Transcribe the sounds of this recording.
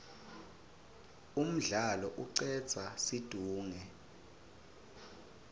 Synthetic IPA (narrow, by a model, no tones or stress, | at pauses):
um̩ɮalɔʔuǀɛ̥t͡sʰasid̥ʱuːŋɛ